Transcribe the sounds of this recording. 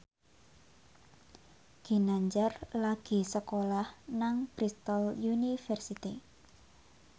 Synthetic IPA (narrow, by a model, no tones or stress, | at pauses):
ɡ̥i̤naɲd͡ʒarlaɡ̥i̤səkolahnaŋb̥ɾist̪ɔljunifɛrsit̪ḭ